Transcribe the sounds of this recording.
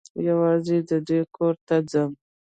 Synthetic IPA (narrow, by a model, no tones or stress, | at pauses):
jawɑzed̪əd̪ujkʰoɾt̪ad͡zəm